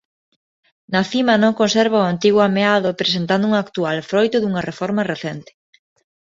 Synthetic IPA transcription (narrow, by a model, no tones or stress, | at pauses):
naθimɐnõŋkõnsɛɾβaoant̪iɣwoameaðopɾesent̪and̪ʊuŋakt̪ualfɾojt̪ʊðuŋɐrefɔɾmɐreθɛnt̪ɪ̥